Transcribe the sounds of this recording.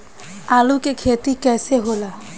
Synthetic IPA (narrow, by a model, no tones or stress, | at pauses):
alukekʰet̪ikɛseɦola